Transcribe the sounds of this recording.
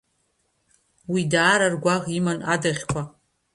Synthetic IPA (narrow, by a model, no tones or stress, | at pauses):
widaːɾarɡʷaʁimanadaʁʲkʷʰa